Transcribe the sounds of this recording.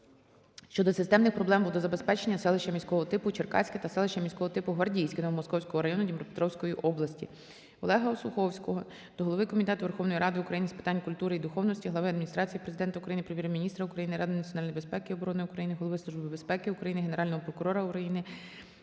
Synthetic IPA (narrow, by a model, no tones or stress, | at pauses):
ʃt͡ʃɔd̪ɔsɪst̪ɛmnɪxpɾɔblˠɛmbud̪ɔzɐbespɛt͡ʃenʲːɐsɛlˠɪʃt͡ʃɐmʲisʲkɔɦɔt̪ɪpʊt͡ʃerkɑ̰t͡sʲkɪt̪ɐsɛlˠɪʃʲɐmʲisʲkɔɦɔt̪ɪpʊɦʋɐrdʲijsʲkɪnɔɦɔmɔskɔwsʲkɔɦɔɾɐjɔnʊdʲimɾɔpet̪ɾɔwsʲkɔjiʔɔblˠɐsʲtʲḭ | ɔ̰lˠɛɦɐɔsʊxɔwsʲkɔɦɔ | d̪̥ɔɦɔlˠɔʋɪkɔmʲit̪ɛt̪ʊʋerxɔwnɔjiɾɑd̪ɪʊukɾɐjinɪspɪ̥t̪ɑnʲkʊlʲt̪uɾɪid̪ʊxɔwnɔsʲtʲiɦlˠɐʋɪɐd̪mʲinʲist̪ɾɑt͡sʲijipɾezɪd̪ɛnt̪ɐukɾɐjinɪpɾeʋʲjɛɾmʲinʲist̪ɾɐʊkɾɐjinɪɾɑd̪ɪnɐt͡sʲiɔnɑlʲnɔjbespɛkɪiɔbɔɾɔnɪjʊkɾɐjinɪɦɔlˠɔʋɪslˠuʒbɪbespɛkɪʊkɾɐjinɪɦeneɾɑlʲnɔɦɔpɾɔkʊɾɔɾɐʊkɾɐjinɪ